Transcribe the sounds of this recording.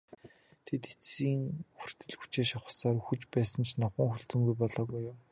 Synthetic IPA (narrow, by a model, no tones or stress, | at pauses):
t̪ʰet̪e̥t͡siːŋxur̥ʲt̪ɘ̆ɮxu̥t͡ɕeːʃaχə̥̆ɮsaːɾuxut͡ɕpæːsə̆nt͡ɕʰnɔχə̆ŋxɵɮt͡sɵ̆ŋɡujpɔɮɔːɣujʊm